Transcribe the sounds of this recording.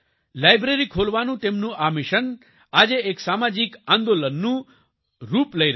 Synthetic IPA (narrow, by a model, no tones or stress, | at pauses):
lajbɾeɾikʰolʋanũt̪emnũʔamiʃən | ad͡ʒeeksamad͡ʒikãnd̪olənːũ | ɾupləɾ